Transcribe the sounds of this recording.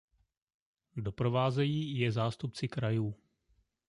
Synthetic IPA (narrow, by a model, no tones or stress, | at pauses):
do̞pɾo̞vaːzɛjiːjɛzaːst̪upt͡sɪkɾajuː